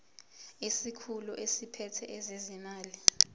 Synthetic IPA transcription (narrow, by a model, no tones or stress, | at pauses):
isikʰuluʔesipʰɛtʰɛʔɛzezimaːli